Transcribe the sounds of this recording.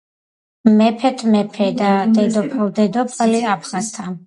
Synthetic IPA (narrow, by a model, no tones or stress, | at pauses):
mɛpʰɛt̪ʰmɛpʰɛd̪ad̪ɛd̪ɔpʰald̪ɛd̪ɔpʰaliapʰχast̪ʰa